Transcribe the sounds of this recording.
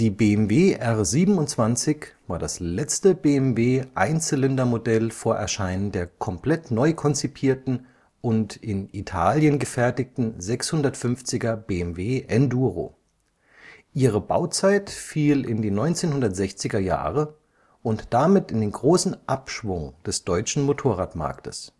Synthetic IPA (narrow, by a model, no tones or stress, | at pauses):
d̥iːbeːɛmveːʔɛʁziːbm̩ʊntt͡sv̥ant͡sɪçvaːɐdaslɛt͡stəbeːɛmveːʔa̰ɪnt͡səlɛndɐmodɛlfoːɐʔɛ̰ɐʃaɪnəndeːɐkʰɔmpl̥ɛtnɔʏkʰɔnt͡sipʰiːɐtn̩ | ʊntɪnitʰa̰ːljənɡəfɛɐtɪk̚tn̩zɛkshʊndɐtfʏnft͡sɪɡɐbeːɛmveːʔɛnduːʁo̰ː | ʔiːʁ̞əbaʊt͡saɪtfiːlɪndiːnɔʏnt͡seːnhʊndɐtz̥ɛçt͡sɪɡɐja̰ːʁə | ʔʊntd̥amɪtɪndeːnɡʁoːsn̩ʔapʃv̥ʊŋd̥ɛsd̥ɔʏt͡ʃn̩motʰoːʁaːtma̰ɐktʰə̰s